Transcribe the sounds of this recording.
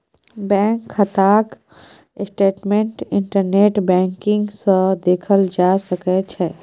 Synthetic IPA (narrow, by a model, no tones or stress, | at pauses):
bɛ̃ŋkʰːət̪aːk | sʈeːʈmẽɳʈɪɳʈəɾneːʈbɛ̃ːŋkɪŋɡsə̃d̪eːkʰəld͡ʒasəkɛt͡ʃʰɛː